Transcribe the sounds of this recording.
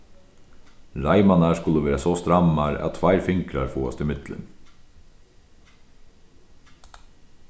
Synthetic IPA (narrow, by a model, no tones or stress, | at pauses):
ɾɑɪmɑnæːskʉləʋeːɾɑsoːst̪ɾɑmɑɾɑ̰t̪ʰʋɑɪɾfɪŋkɾɑɾfoːɔ̰st̪iːmʏt̪lə̰n